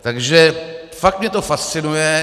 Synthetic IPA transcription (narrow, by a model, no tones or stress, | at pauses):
t̪aɡʒɛ | fakt̪mɲɛt̪ofast̪sɪnujɛ